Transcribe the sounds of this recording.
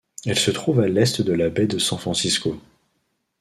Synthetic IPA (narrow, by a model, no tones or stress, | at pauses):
ɛlsət̪χuvalɛst̪d̪əlabɛd̪əsɑ̃fχɑ̃sisko